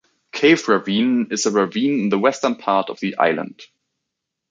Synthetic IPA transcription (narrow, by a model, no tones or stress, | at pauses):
kʰeɪvɹəvĩːnɪzəɹəvĩːnɨ̃n̩ðəwɛstə̃˞npʰaɹɾʌvðiʔa̰ɪlˠə̰̃nd̥